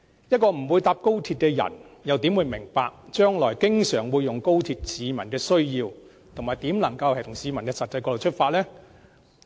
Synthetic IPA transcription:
jɐ˥t̚kɔː˧m̩˨˩wuː˨˧jt̪aː˧p̚ko˥wt̪ʰiː˧t̚kɛː˧jɐ̰˨˩njɐ˨˧wt̪iː˨˥mwuː˨˧jmɪ˨˩ŋpaː˧k̚t͡ʃœː˥ŋlɔː˨˩jkɪ˥ŋsœː˨˩ŋwuː˨˧jːʊ˨˩ŋko˥wt̪ʰiː˧t̚siː˨˧mɐ˨˩nkɛː˧sɵ˥ɥjiː˧w | t̪ʰʊ˨˩ŋːhaː˨jt̪iː˨˥mlɐ˨˩ŋkɐ˧whɐ˨˩jt̪ʰʊ˨˩ŋsiː˨˧mɐ˨˩nkɛː˧sɐ˨t̚t͡sɐ˧jkɔː˧lo˨˩wt͡ʃʰt̚faː˧t̚lɛː˥

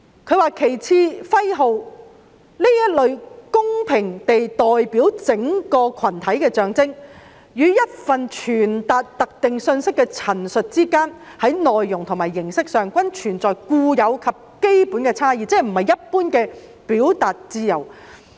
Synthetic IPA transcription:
kʰɵ˨˧ɥwaː˨˧kʰe˨˩jt͡sʰiː˧fɐ˥jɦo˨˧w | li˥jɐ˥t̚lɵ˨˧ɥkʊ˥ŋpʰɪ˨˩ŋt̪e˨jt̪ɔː˨˩jpiː˨˥wt͡sɪ˨˥ŋkɔː˧kʰɐ˨˩nt̪ʰɐ˨˥jkɛː˧t͡ʃœː˨˧ŋt͡sɪ˥ŋ | jyː˨˧jɐ˥t̚fɐ˨nt͡ʃʰyː˨˩nt̪aː˨t̚t̪ɐ˨k̚t̪ɪ˨ŋsɵ˧nsɪ˥kːɛ˧t͡sʰɐ˨˩nsɵ˨t̚t͡siː˥kaː˥nhɐ˨˥jnɔː˨jːʊ˨˩ŋt̪ʰʊ˨˩ŋmaː˨˩jːɪ˨˩ŋsɪ˥k̚sœː˨ŋkʷɐ˥nt͡ʃʰyː˨˩nt͡sɔː˨jkuː˧jɐ˨˧wkʰɐ˨p̚ke˥jpuː˨˥nkɛː˧t͡sʰaː˥jiː˨˧t͡sɛː˨˥m̩˨˩hɐ˨jːɐ˥t̚puː˥nkɛː˧ | piː˨˥wt̪aː˨t̚t͡siː˧˥jɐ̰˨˩w

